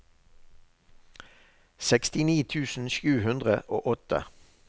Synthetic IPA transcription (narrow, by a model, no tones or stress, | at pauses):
sɛkst̪ɪniːt̪ʰʉːsn̩ʃʉːhʉnd̪ʁəʔo̰ːʔɔt̪ə̰